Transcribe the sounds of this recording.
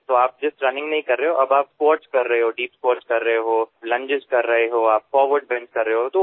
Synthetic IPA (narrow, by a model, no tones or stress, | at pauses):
t̪oːaːp̚d͡ʒɪsʈɾɐnɪ̃ŋɡnɐɦĩkɐɾːɐɦeɦoʔɐbaːpskoːɾʈskɐɾːɐɦeɦoːɖiːpspoːɾskɐɾːɐɦeɦoːlɐ̃ɲd͡ʒɪd͡ʒkɐɾːɐɦeɦoːaːpfɔːɾʋəɾɖ̚bɛ̃ɳskɐɾːəɦeɦot̪o